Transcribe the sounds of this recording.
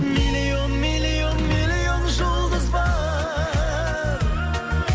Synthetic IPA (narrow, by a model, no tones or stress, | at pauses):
milionmilijonmilijonʒolˠd̪əzbɑ | ɾ